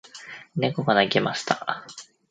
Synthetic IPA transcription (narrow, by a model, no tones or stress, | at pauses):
nekokanaɡemaɕi̥t̪a